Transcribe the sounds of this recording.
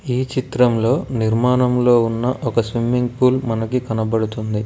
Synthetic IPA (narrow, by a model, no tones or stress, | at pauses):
iːt͡ʃit̪ɾɐmlo̞ːniɾmaːɳɐmlo̞ːunːɐʔɔkɐsʋimːiŋɡpuːlmɐnɐkikɐnɐbɐɽut̪und̪i